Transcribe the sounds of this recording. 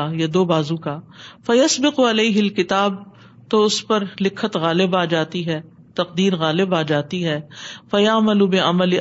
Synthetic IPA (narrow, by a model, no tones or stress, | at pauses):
jad̪oːbaːzũkaːfɐjɐsbɪqʊɐleːɦɪlkɪt̪aːb̚ | t̪oʊspɐɾlɪkʰːət̪ɣaːlɪbaːd͡ʒaːt̪iɦɛː | t̪ɐqd̪iːɾɣaːlɪbaːd͡ʒaːt̪iɦɛːfɐjɐʕmɐlubɪʔɐ̰mɐlɪ